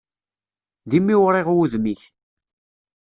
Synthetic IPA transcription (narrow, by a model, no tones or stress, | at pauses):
ðimːiwɾˤeʁwuðmiç